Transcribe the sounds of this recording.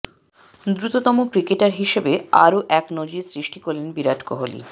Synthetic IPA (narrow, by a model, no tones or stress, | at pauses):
d̪ɾut̪ot̪ɔmokɾikeʈaɾɦiʃebea̰ɾoʔɛknod͡ʑiɾsɾiʃʈikoɾlenbiɾaʈkoɦolḭ